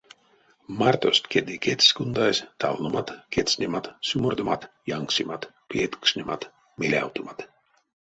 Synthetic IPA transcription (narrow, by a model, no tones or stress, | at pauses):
maɾt̪ost̪kʲed̪ikʲet̪sʲkund̪ajsʲt̪alnumat̪kʲet̪sʲnʲemat̪sumɔrd̪umat̪jaŋksʲimat̪ | pʲiɛt̪u̥ksʲnʲɛmat̪ | mʲilʲa̰wt̪umat̪